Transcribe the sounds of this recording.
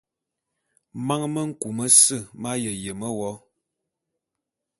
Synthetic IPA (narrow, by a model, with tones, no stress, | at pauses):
ma˦ŋmə˦ŋ̩˦ku˨mə˦sɨ˦˨ma˦jə˨je˨mə˦wɔ˨˦